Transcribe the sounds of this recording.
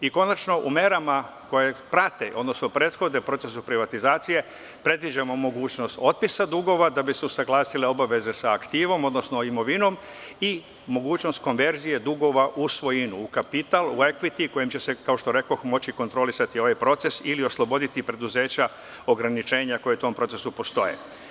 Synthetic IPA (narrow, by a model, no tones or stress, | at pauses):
iko̞nat͡ʃno̞ʔumeɾamako̞je̞pɾat̪e̞ʔo̞̰d̪no̞snopɾe̞t̪xo̞d̪epɾo̞t̪se̞supɾiʋat̪izaːt̪sije̞ | pɾe̞d̪ʋid͡ʑamo̞mo̞ɡuːt͡ɕno̞st̪o̞t̪̚pisad̪uɡo̞ʋad̪abiseusaɡlaːsileo̞baʋe̞ze̞saːkt̪iːʋo̞mo̞d̪no̞snoimo̞ʋino̞m | i | mo̞ɡuːt͡ɕno̞st̪̚ko̞nʋe̞ɾzije̞d̪uɡo̞ʋaʔusʋo̞jinuːkapit̪alue̞kʋit̪iko̞jimt͡ɕe̞se̞kaoʃt̪o̞ɾe̞ko̞xmo̞t͡ɕiko̞nt̪ɾo̞lisat̪io̞ʋajpɾo̞t̪se̞silio̞slˠo̞bo̞d̪it̪ipɾe̞d̪uze̞ːt͡ɕa | o̞ɡɾanit͡ʃe̞ːɲako̞jet̪o̞mpɾo̞t̪se̞supo̞st̪o̞jḛ